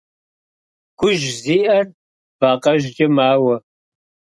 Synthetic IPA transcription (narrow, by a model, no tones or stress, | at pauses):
ɡ̥ʷʊʒziːʔɐr | b̥aːqʼɐʒd͡ʒʼɐmaːwɐ